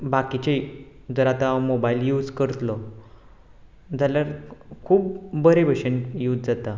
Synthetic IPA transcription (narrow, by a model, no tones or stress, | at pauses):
bakit͡ɕei | d͡zəɾat̪amobailjuːd͡zkəɾt̪lɔ | d͡zʱaljaɾkʰuːbbəɾebəɕənjuːd͡zd͡zat̪a